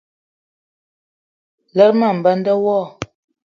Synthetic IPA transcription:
lə˦ɾma˦˨m̩˨bə˦ndə˦wɔ˦˨

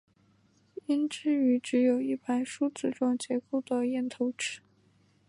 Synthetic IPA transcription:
i˥nʈ͡ʂɻ̩˥˩y˧˥ʈ͡ʂɻ̩˧˥jo˨˩ʊi˥˩pa˧˥ɪʂu˥t͡sɹ̩˥˧ʈ͡ʂwɑ˥˩ŋt͡ɕjɛ˧˥ko˥˩ʊd̪ə˩jɛ˥˩nt̪ʰo˧˥ʊʈ͡ʂɻ̩˥˦

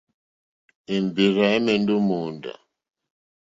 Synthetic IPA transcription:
i˨mbi˨ɾa˨i˦mɛ˨ndu˦mu˨nda̰˨

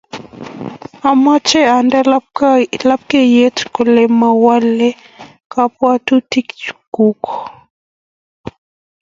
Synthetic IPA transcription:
a˨ma˦t͡ʃɛ˦a˨ndɛ˦ | la˦p̚kɛ˦je˦tko˨lɛ˨ma˨wa˦lɛ˦ | ka˦pwa˦tu˦ti˦kt͡ʃu̥ku˦kɔ˨

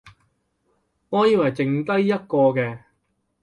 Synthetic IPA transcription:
ŋɔː˨˧jiː˨˧wɐ˨jt͡sɪ˨ŋt̪ɐ˥jːɐ˥t̚kɔː˧kɛː˧

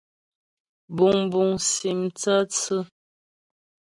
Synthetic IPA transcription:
bu˨ŋbu˨ŋsi˨mt͡sə˦t͡sɨ˦

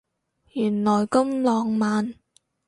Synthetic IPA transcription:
jyː˨˩nlɔː˨˩jkɐ˥mlɔː˨˧ŋmaː˨˧n

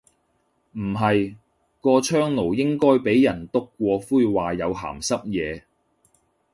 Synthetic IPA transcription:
m̩˨˩ɦɐ˨j | kɔː˧t͡ʃʰœː˥ŋno˨˩wjɪ˥ŋkɔː˥jpe˨˥jːɐ˨˩nt̪ʊ˥kːʷɔː˧fuː˥jwaː˨jɐ˨˧wɦa̰ː˨˩msɐ˥p̚jɛː˨˧

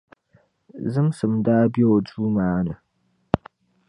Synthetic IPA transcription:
zɨ˦msɨ˨mdaː˦bjo˨d͡ʒuː˦maː˨˦nə˨

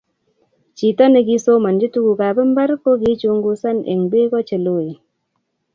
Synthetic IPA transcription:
t͡ʃi˨ta˦ne˨ki˦so˦ma˨nd͡ʒi˦tu˦ɡu˨ka˨bɛ˦m˦ba˦ɾko˦ki˦t͡ʃo˧˦ŋɡu˦sa˦nʔḛ˨ŋbe˦kɔ˦t͡ʃe˨lo˦˨i˨

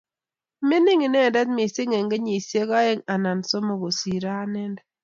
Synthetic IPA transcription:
mɪ˦nɪ˦ŋi˨nɛ˦˨dɛ˦t̚mi˨se˦ŋe˨ŋɡe˦ɲi˨sje˦ka˦ɛ˦ŋa˨na˨nso˦mo˨ɡo˨si˨ɾa˦nɛ˦nd

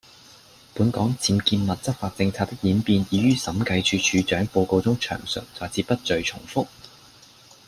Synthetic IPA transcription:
puː˨˥nkɔː˨˥ŋt͡siː˧mkiː˧nmɐ˨t̚t͡sɐ˥k̚faː˧t̚t͡sɪ˧ŋt͡sʰaː˧t̪̚ɪ˥k̚jiː˨˥npiː˧njiː˨˧ɥyː˥sɐ˨˥mkɐ˧jt͡ʃʰyː˨˧t͡ʃʰyː˨˧t͡ʃœː˨˥ŋpo˧wko˧wt͡sʊ˥ŋt͡ʃʰœ̰ː˨˩ŋsɵ̰˨˩ŋ̚t͡sɔː˨˩jt͡siː˧pːɐ˥t̚t͡ʃɵ˧ɥt͡ʃʰʊ˨˩ŋfʊ˥k̚

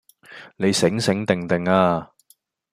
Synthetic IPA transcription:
ne˨˧jsɪ˨˥ŋsɪ˨˥ŋt̪ɪ˨ŋt̪ɪ˨ŋaː˧

